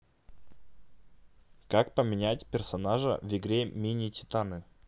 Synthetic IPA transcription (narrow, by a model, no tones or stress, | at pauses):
kakpəmʲɪnʲætʲpʲɪrsɐnaʐə̰vɪɡɾʲemʲinʲɪtʲɪ̥t̪anɨ